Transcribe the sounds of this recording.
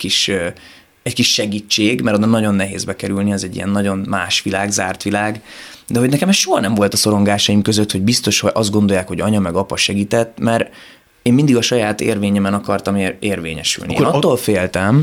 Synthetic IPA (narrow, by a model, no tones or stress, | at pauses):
kiʃ | ɛckiʃːɛɡiːt͡ʃːeːɡmɛɾod̪ɒnɒɟo̞nːɛɦḛːzbɛkɛɾylniɛzɛɟːḭɛ̰nːɒɟo̞nmaːʃʋilaːɡzaːrt̪ʋilaːɡ | d̪ɛɦo̞ɟnɛkɛmɛsʃoɦɒnɛɱvo̞lt̪ɒso̞ɾoŋɡaːʃɒjimkøzøt̪hoɟbist̪o̞ʃhoʔɒzd̪̚ɡo̞nd̪o̞jaːkho̞ɟɒɲɒmɛɡɒpɒʃɛɡiːt̪ɛt̪ːmɛɾ | eːmmind̪iɡɒʃɒjaːt̪ḛːrveːɲɛmɛnɒkɒrt̪ɒmeeːrvḛːɲɛ̰ʃy̰liḭnɒt̪ːoːlfeːlt̪ɛm